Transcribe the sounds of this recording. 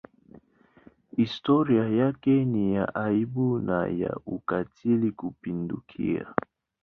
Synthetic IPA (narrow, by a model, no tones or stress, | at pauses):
istɔɾiajakɛnijaʔaibuna̰ja̰ukatʰilikupindukʰḭa̰